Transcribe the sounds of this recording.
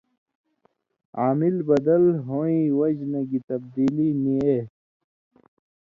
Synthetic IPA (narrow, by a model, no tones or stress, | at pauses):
aːmilbɐd̪ɐlɦõːĩwɐd͡ʑnɐɡit̪ɐb̚d̪iːlinie